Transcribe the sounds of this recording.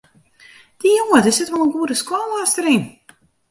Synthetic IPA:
d̥ijoədəsɪtʋɔlˠənɡuədəskwɔlastəɾin

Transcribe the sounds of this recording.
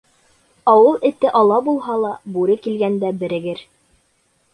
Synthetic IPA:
ɑwɤlˠɘ̆t̪ɘʔɑlˠɑbulˠɦɑlˠɑbuɾɘkilɡænd̪æbɘ̆ɾɘ̆ɡɘɾ

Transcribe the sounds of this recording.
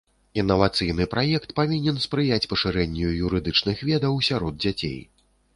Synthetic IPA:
inːɐvat̪sɨjnɨpɾʔajɛkt̪pavʲinʲɛnspɾɨjat͡sʲpɐʂɨɾɛnʲːujuɾɨd̪ɨt͡ʂnɨxvʲɛd̪ɐwsʲaɾɔd̪̚d͡zʲat͡sʲḛj

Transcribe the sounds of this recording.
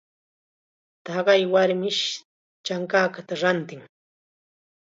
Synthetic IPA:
t̪ɑɢɑjwaɾmɪʃ | t͡ʃaŋkaːkat̪aɾant̪ɪŋ

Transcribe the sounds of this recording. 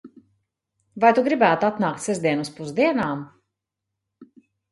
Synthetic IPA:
vajt̪uɡɾibæːt̪at̪naːk̚t̪ʲsɛzd̪iɛnuspuzd̪iɛnaːm

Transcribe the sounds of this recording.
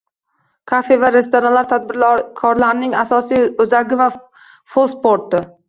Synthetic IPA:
kʰafe̞vaɾe̞st̪oɾanlaɾt̪ʰad̪̚bɪɾlkʰɒɾlaɾɪnɪŋasɒsijʊzaɡʲɪva | folˠspoɾt̪ɪ

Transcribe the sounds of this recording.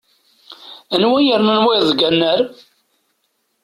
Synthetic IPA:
ænwæjəɾnənweðˤɡænːəɾ

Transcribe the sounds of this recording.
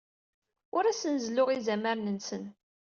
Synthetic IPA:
ʊɾæsənzlʊʁizæməɾnənsən

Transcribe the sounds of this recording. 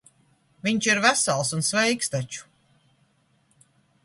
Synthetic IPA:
vʲiɲt͡ʃiɾvæsalˠsunsvɛjkst̪at͡ʃu̥

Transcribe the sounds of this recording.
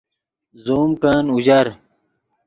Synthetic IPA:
zoːmkaːnuʑɐɾ

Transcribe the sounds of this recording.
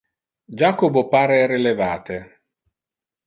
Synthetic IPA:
d͡ʒakobopaːɾeɛɾelevaːt̪e

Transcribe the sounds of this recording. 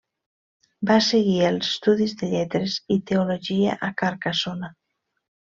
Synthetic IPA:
baseɣiəlˠzə̥st̪uðizðəʎɛt̪ɾezit̪euloʒiaʔakaɾkasona

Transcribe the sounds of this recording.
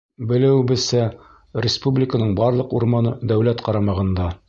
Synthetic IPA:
bɘ̆lɘ̆wbɘ̆sæ | ɾʲɪspublʲɪkənɤɴbɑɾlˠɤquɾmɑnɤd̪æwlæt̪qɑɾɑmɑʁɤ̆nd̪ɑ

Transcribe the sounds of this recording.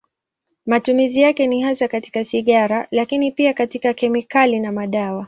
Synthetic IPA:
matumizijakɛnihasakati̥kasiɠaɾalakinipiakatikakɛmikalinamaɗawa

